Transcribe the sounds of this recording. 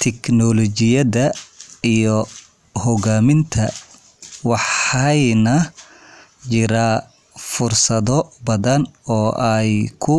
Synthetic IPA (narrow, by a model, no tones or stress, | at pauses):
t̪ʰɛknɔlɔt͡ʃɪjɐðɐijɔ | hɔɣaːmɪnt̪ʰɐ̰ | wɑħɛjnɐ | t͡ʃɪɾaː | fʊrsɐðɔbɐðɐnɔːʔɛjkʰʊ